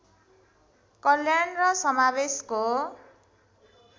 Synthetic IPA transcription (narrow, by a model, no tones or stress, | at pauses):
kʌljanrʌsʌmabesko